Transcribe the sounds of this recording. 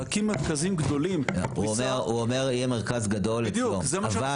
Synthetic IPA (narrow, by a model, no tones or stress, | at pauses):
akimːeʁkazimɡd̪o̞limuomeʁuome̞ʁjɛmeʁkazɡad̪o̞ld̪juozeava